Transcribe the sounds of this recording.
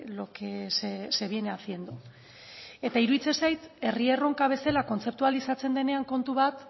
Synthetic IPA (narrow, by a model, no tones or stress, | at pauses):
lokesese̞β̞ieneaθie̞nd̪u | e̞t̪aiɾuðit͡se̞nsajt̪e̞rie̞ro̞ŋkaβ̞e̞selako̞nt͡se̞p̚t̪ualisat͡se̞nd̪e̞ne̞aŋko̞nt̪uβat̪